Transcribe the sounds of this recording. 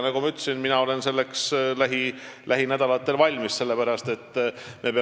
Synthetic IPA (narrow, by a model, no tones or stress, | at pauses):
nɑɡumɑyt̪ːsinminɑo̞le̞nse̞lːe̞kslæɦi | lʔæɦinæd̪̥ɑlɑt̪ːˑe̞lvɑlʲmisse̞lːe̞pæɾɑst̪e̞t̪ːme̞pe